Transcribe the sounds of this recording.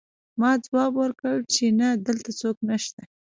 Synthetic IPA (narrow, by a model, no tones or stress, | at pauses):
mɑd͡zwɑbwəɾkəɽt͡ʃenad̪əlt̪at͡soknəʃt̪a